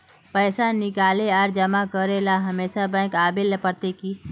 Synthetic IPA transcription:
pɛːsanɪkaːleaɾd͡ʒəmakəɾelaɦɐmeːsabɛ̃ːkaːbeləpəɾt̪ekiː

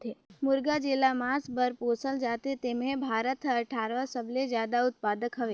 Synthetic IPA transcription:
t̪ʰemʊɾɡad͡ʒelamãsbəɾposəld͡ʒat̪et̪emẽbʱaɾət̪ʰəʈʰaɾʋəsəbled͡ʒjad̪aʊt̪̚pad̪əkɦəʋe

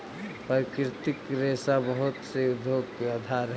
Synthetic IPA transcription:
pkɾɪt̪ɪkɾeːsabəɦʊt̪seʊd̪ʱjoːɡ̚kead̪ʱaɾɦ

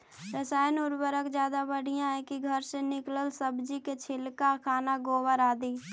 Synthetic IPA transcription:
ɾəsaːjənʊɾbəɾəkd͡ʒjaːd̪abəɽ̤ijãɦɛ̃kiɡʱəɾsenɪkləlsəbd͡ʒiket͡ʃʰɪlkakʰaːnaɡoːwəɾaːd̪iː

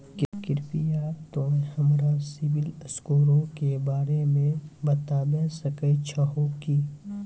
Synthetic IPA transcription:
kkɪɾpijaːt̪õːhɐmɾasɪʋɪləskoːɾõkebaːɾemẽbɐt̪aːbesəkət͡ʃʰəɦokiː

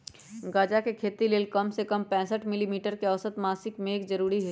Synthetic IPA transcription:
ɡaːd͡ʒakekʰeːt̪ileːlkɐmsekɐmpɛ̃ːsəʈʰmɪlimiːʈəɾkeɐʋsət̪maːsɪkmẽːkd͡ʒɐɾuːɾiɦe

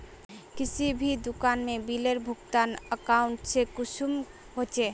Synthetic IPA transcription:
kit͡ɕʰibʱid̪ukanmebileɾbʱukt̪anəkauɳʈsekuʃum | ɦot͡ɕʰe

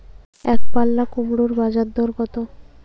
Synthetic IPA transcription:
ɛkpalːakumɽuɾbad͡ʑad̪ːɔɾɡɔt̪o

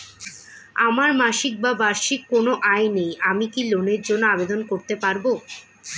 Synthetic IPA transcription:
amaɾmaʃik̚babaɾʃikːonoʔajnejamikiloneɾd͡ʑonːoabed̪onkoɾt̪epaɾbo

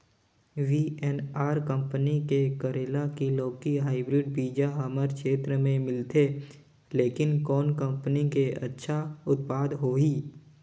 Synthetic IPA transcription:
ʋiːɛnaːɾkə̃mpənikekəɾeːlakiloːkiɦaːɪbɾɪɖ̚biːd͡ʒaɦəməɾkʃeːt̪ɾəmẽmɪlt̪eː | leːkɪnkɔːnkə̃mpənikeɐ̰tːʃʰaʊt̪̚paːd̪ɦoːiː

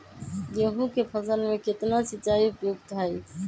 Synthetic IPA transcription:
jeɦũkepʰəsəlmeket̪nasit͡ʃaiupjoɡt̪ɦaj

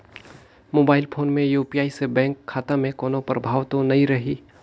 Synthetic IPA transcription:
moːbaːɪlpʰoːnmẽjuːpijaːisebɛ̃ːŋkʰːaːt̪amẽkɔːnõpəɾbʱaːʋt̪õnɐɦĩɾɐɦiː

